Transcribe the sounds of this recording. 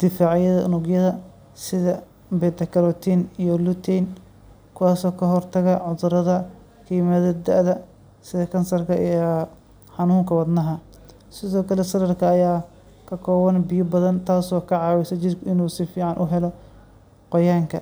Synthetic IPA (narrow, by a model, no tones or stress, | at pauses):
d̪̥ɪfaːʕjɐðɐʔʊnʊɡjɐðɐ | sɪðɐ | bɛːt̪ɐkʰɐlɔt̪ʰinijɔlut̪ʰɛn | kʰʊwaːsɔːkʰɐɦɔrt̪ʰɐɣɐʕʊðʊɾɐðɐ | kʰijɪmɐðɐd̪ɐʔðɐ | sɪðɐkʰɐnsɐrkʰɐʔi | ħɑnuːŋkʰɐwɐd̪nɐɦɐ | sɪðɔːkʰɐlɛsɐɾɐrkʰɐːjaː | kʰɐkʰɔːwɐnbɪjʊbɐðɐnt̪ʰaːsɔːkʰɐʕɑːwɛsɐt͡ʃɪdkʰʊɪnuːsɪfiːʕɑnʔʊɦɛlɔ | qɔjaːŋkʰɐ